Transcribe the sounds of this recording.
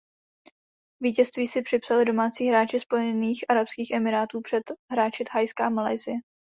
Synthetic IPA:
viːcɛst̪viːsɪpr̝̥ɪpsalɪdo̞maːt͡siːɦɾaːt͡ʃɪspo̞jɛniːxʔaɾapskiːxʔɛmɪɾaːt̪uːpr̥ɛt̪ɦɾaːt͡ʃɪt̪ɦajskaːmala̰jzɪjɛ

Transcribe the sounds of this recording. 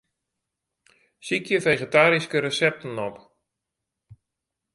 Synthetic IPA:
sikʰjəfeχetaːɾiskəɾəsɛp̚tən̩ɔp

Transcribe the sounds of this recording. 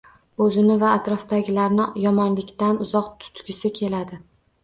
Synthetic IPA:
ɵzɪnɪvaːt̪ɾɒfd̪aɡʲɪlaɾnɪjɒmɒnlɪkʲt̪anʊzɒqt̪ʰʊ̥t̪kʲɪsɪkʲʰe̞lad̪ɪ

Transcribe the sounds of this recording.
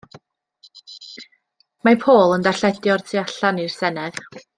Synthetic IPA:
mapʰoːlˠəndaɬɛdjɔrtʰiaɬanirsɛnɛð

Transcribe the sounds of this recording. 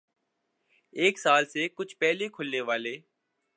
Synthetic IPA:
eːksaːlseːkʊt͡ʃʰpɛːɦlekʰʊlneːʋaːleː

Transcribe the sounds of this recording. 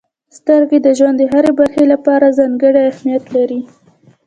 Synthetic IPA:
st̪əɾɡed̪əʒwand̪əɦaɾebaɾxelapɑɾazɑŋɡəɽaahmijat̪laɾi

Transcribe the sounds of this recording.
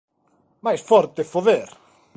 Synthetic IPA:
majsfɔɾt̪efoðeɾ

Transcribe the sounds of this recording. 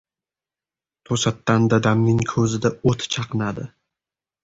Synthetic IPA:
t̪ʰosat̪ːand̪ad̪amnɪŋkʰɵzɪd̪aot̪ʰt͡ʃʰɑqʰɨnad̪ɪ̰

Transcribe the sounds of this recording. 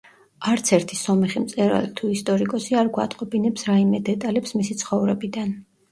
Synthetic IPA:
aɾt̪sʰɛɾt̪ʰisɔmɛχimt̪sʼɛɾa̰lit̪ʰuist̪ʼɔɾikʼɔsiaɾɡwa̰t̪ʼqʼɔbinɛpsɾaimɛd̪ɛt̪ʼalɛpsmisit̪sʰχɔvɾɛbid̪an

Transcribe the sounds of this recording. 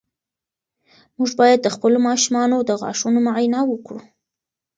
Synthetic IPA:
muʒbɑjad̪̚ːəxpəlomɑʃumɑnod̪əɣɑ̰ʂunomaʕjnawəkɽṵ

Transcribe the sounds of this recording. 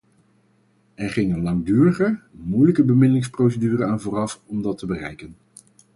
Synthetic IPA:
ɛɹχɪŋənlɑŋdyːrəχəmujləkəbəmɪndəlɪŋsprows̬ədyːrənaːnvʊːrɑfɔmdɑtəbərɛ̰jkən

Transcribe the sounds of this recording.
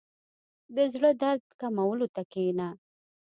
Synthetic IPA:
d̪əzɽəd̪aɾd̪kamawəlot̪akena

